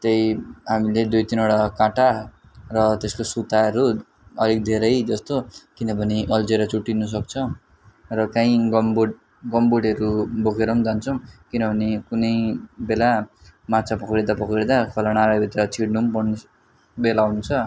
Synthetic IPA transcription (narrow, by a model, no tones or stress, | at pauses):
t̪ejɦamiled̪ujt̪inoɽakãʈa | rʌt̪eskosut̪aʌɾu | ʌlik̚d̪ʱeɾʌjd͡zʌst̪okinʌpʌniʔʌld͡zeɾʌt͡suʈːinʌs̬ʌk̚t͡sʰʌ | rʌkãĩɡʌmbuɽ | ɡʌmbuɽʌɾubʱokʰeɾʌmd͡zant͡sʰʌw̃kinʌpʰʌnekunʌjbelamat͡sʰapʌkɾid̪apʌkɾed̪akʰʌlaɽ̃aɾʌbit̪eɾʌt͡sʰiɽnumpʌn | belawunt͡sʰʌ